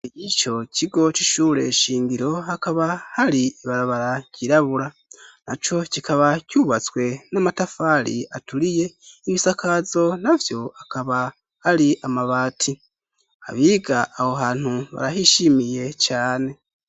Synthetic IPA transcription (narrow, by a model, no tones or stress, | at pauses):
ijit͡ʃo̞cʰiɡo̞t͡ʃiʃuːɾe̞̰ʃiːŋɡiɾo̞hakaβahaɾiiβaɾaβaɾaɟiɾaβuɾa | nat͡ʃo̞cikʰaβacuːβat͡swe̞namatafaɾḭatuɾije̞iβisakʰazo̞navjo̞akaβa | haɾiʔamaβaːtʰi | a̰βiɡaʔːhoɦaːn̥huβa̰ɾaɦiʃimije̞t͡ʃaːne̞